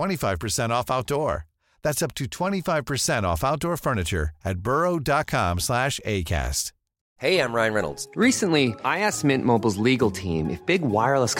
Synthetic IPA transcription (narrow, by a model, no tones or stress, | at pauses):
w̥ɛ̃ɾ̃ifaɪv̥pʰə˞sɛ̃ɾ̃ɔfaʊt̚d̥ɔɹ | ðætsʌp̚tʰɨtʰw̥ɛ̃ɾ̃ifaɪv̥pʰə˞sɛ̃ɾ̃ɔ̰faʊt̚d̥ɔɹfɜ˞nɨt͡ʃə̰˞ɨt̚b̥ɜ˞oʊdɑt̚kʰɑ̰̃mslæʃḛɪkʰæ̰st | heɪãɪ̃mɹãɪ̃nɹɛnl̩ˠdz̥ɹisɨ̃nliaɪæsmɪ̃nmoʊbl̩ˠzliɡl̩ˠtʰḭ̃mʔɨ̰fb̥ɪɡwaɪə˞lˠəs